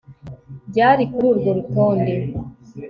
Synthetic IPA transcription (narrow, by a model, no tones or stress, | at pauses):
ɟaːɾikuɾuɾɡoɾutoːnde